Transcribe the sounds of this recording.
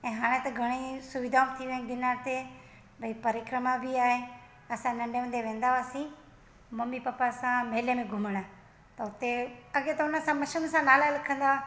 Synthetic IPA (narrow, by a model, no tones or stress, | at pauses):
ɛ̃ːɦaːɽ̃ẽt̪ɐɡʱəɽ̃isʊʋɪd̪ʱaːmt̪ʰiʋẽɡɪnaːɾt̪e | bʱəipəɾɪkɾəmãbʱiaːɦeː | əsãnə̃ɳɖeʊ̃nd̪eʋẽːnd̪aʋaːsĩː | məmipəpːasãmeːlemẽɡʱʊməɽaː | t̪ɐʊt̪eəɠet̪ɐʊnəsãməʃəmsãːnaːlaləkʰə̃nd̪a